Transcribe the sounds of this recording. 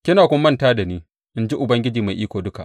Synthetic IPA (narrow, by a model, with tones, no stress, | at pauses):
kʲɪ˦naː˨kʷʊ˦mː˦ɐ˦ntaː˦da˨niː˦ | ʔɪ˦nd͡ʒi˦ʔʊ˨bɐ˦ŋɡʲɪ˦d͡ʒiː˨ma˨ʔiː˦kʷoː˨dʊ˦ka̰˨ʔ